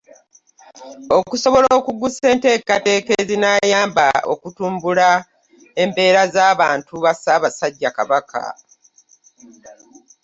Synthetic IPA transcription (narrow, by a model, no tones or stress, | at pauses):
o̞kuso̞βo̞loːkuɡuse̞ːnte̞ːkate̞ːkezinaːjaːmba̰o̞̰kutuːmbula | e̞mbe̞ːɾazaːβaːntuβasaːβasaɟːakaβakʰa̰